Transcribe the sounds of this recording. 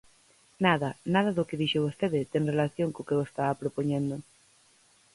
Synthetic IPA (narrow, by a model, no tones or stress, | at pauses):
naðɐnað̞ɐðʊkɪðiʃʊβost̪eðɪt̪ɛŋrelaθjoŋkokewest̪aapɾopoɲend̪o